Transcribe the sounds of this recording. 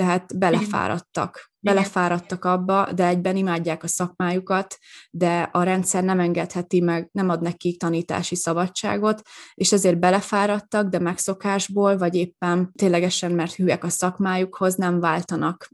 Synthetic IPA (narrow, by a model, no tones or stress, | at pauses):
t̪ɛɦaːt̪bɛlɛfa̰ːɾɒ̰t̪ːɒ̰k | bɛlɛfaːɾɒt̪ːɒkɒbːɒd̪ɛɛɟbɛnimaːɟːaːkɒsɒkmaːjukɒt̪d̪ɛɒɾɛnt̪sɛrnɛmɛŋɡɛt̪hɛt̪imɛɡnɛmɒd̪nɛkːikt̪ɒniːt̪a̰ːʃisɒbɒt͡ʃt͡ʃa̰ːɡo̞t̪eːʃɛzeːrbɛlɛfaːɾɒt̪ːɒɡd̪ɛmɛkso̞kaːʒboːlvɒɟeːpːɛnt̪eːnlɛɡɛʃɛnmɛrt̪hyːɛkɒsɒkmaːjukho̞znɛɱvaːlt̪ɒnɒk